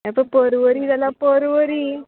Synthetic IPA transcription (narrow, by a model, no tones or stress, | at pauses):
apəpəɾʋəɾiːd͡zalapəɾʋəɾiː